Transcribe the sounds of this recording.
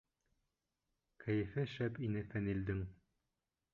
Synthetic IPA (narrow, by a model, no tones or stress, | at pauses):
kʰæjɘ̆fɘʃæpinɘfænild̪ɘŋ